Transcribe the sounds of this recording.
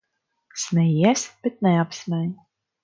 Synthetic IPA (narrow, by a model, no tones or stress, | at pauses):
snɛjiɛsʲb̥ɛt̪̚nɛapsmʲɛɲ